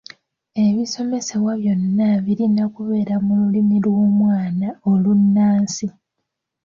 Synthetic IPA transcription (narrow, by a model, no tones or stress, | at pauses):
e̞βiso̞me̞se̞βwaβjo̞nːaβiɾinakuβe̞ːɾamululimilwo̞ːmwaːnaolunːaːnsi